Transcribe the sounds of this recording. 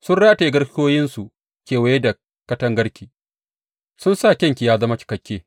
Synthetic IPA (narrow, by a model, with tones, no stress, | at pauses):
sʊ˦nɽaː˦ta˨˦ɡɐ˦ɽkʲjoː˦jɪ˦nsu˨ | kʲeː˨wa˨je˦da˨ | kɐ˦tɐ˦ŋɡɐ˦ɽkʲiː˨ | sʊ˦nsaː˦˨kʲɐ˦ŋkʲi˨jaː˦zɐ˦ma˦kʲɪ̥˨kɐ˨˦kʲːeː˦